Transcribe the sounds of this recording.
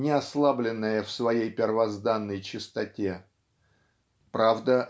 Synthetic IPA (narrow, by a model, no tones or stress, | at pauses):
nʲɪɐslˠablʲɪnːəjəfsvɐjejpʲɪrvɐzd̪anːəjt͡ɕɪst̪ɐtʲe̞ | pɾavd̪ə